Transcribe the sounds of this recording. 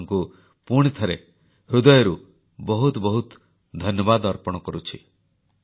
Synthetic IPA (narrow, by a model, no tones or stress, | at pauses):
ŋku | puɽ̃it̪ʰɔɾe | ɾud̪ɔjɔɾu | bɔɦut̪bɔɦut̪ | d̪ʱɔnjɔbad̪ɔɾpɔɽ̃ɔkɔɾut͡ʃʰi